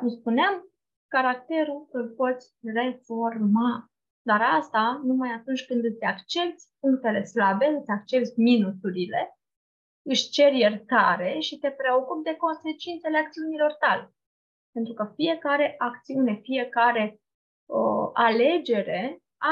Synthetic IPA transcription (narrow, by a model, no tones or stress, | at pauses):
kumspuneam | kaɾakt̪e̞ɾuɨlpo̞t̪sʲre̞fo̞rma | d̪aɾast̪anumajat̪unt͡ʃʲkɨnd̪ɨt̪sʲakt͡ʃe̞p̚t̪sʲpuŋk̚t̪e̞le̞slabe̞ɨt̪sʲak̚t͡ʃe̞p̚t̪sʲminusuɾile̞ | ɨʃt͡ʃe̞ɾjert̪aɾe̞ʃit̪e̞pɾe̞o̞kup̚d̪e̞ko̞nse̞t͡ʃint̪se̞le̞akt̪siunilo̞rt̪ale̞ | pe̞nt̪ɾukəfije̞kaɾe̞ʔakt̪siune̞fije̞kaɾe̞ | əale̞d͡ʒe̞ɾe̞ | a